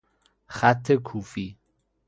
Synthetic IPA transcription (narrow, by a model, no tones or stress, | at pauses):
χæt̪ʰːekʰuːfi